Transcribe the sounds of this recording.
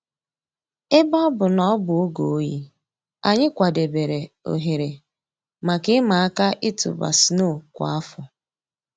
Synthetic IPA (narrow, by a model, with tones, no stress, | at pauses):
ɪ˦bɔ˦ɔ˦bʊ˨nɔ˦bʊ˨ʊ˦ɡo˨˦ji˦ | a˨ɲɪ˦kʷa˨de˨be˨ɾe˨ | o̰˨ɦe˨ɾe˨ | ma˨kɪ˦ma˨a˦ka˦ʔɪ˦tʊ̰˨ba̰˨sno˦˨kʷa̰˨a˦fʊ˨